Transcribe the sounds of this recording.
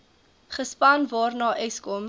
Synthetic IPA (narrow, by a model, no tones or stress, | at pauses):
χəspɐnvɑːrnɑːʔɛskɔm